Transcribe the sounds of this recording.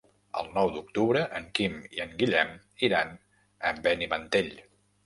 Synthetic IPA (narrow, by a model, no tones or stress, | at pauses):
ə̰lˠnɔwd̪uk̚t̪uβɾəʔəŋkimiəŋɡiʎɛm | iɾan | əmbɛniβənt̪eʎ